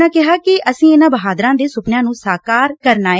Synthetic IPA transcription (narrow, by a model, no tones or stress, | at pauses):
aːkɪɦaːkɪʔəsĩːɪnãːbəɦaːd̪ɾãːd̪eːsʊpnjãːnũːsaːkaːɾkəɾnaː